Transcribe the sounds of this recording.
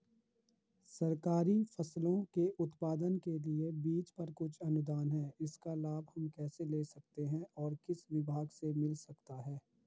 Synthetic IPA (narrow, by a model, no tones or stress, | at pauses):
sɐɾkaːɾifʰɐslõkeʔʊt̪paːd̪ənkeliebiːt͡ʃpɐɾkʊt͡ʃʰɐnʊd̪aːnɦɛːɪskalaːbhɐmkɛːseleːsɐk̚t̪eɦɛ̃ʔɔːɾkɪsʋɪbʱaːɡsemɪlsɐkt̪aɦɛː